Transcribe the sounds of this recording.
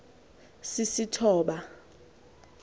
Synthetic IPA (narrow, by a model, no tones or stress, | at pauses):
sisitʰɔːɓa